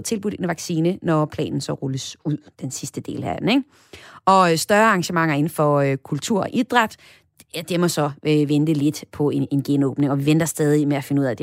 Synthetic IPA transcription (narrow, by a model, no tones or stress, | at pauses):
t͡sʰe̝lb̥uɾ̥e̝nʋɑ̈ɡ̥siːnənɒpʰlɛ̰ːnn̩sɒ̽ʁɔləsuð̰ˠd̥ensisd̥əd̥e̝̰ːləæd̥eneɡ̥ | ɒ̽sd̥ɶɐɑ̈ŋɕəmɑ̈ŋ̰ɐe̝n̩fɒ̽økʰult͡sʰuɐ̰ɒʔid̥ʁad̥ | æd̥emɒ̽sɒ̽øʋend̥əle̝d̥pʰɒ̽eenɡ̥enɔːb̥ne̝ŋɒ̽ʋiʋen̰d̥ɐsd̥ɛːð̞ˠimeæfe̝nəuð̰ˠæd̥e